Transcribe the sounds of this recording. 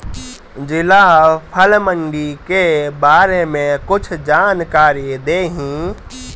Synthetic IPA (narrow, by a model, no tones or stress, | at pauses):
d͡ʒɪlapʰəlməɳɖikebaːɾemẽkʊt͡ʃʰd͡ʒaːnkaːɾid̪eːɦĩː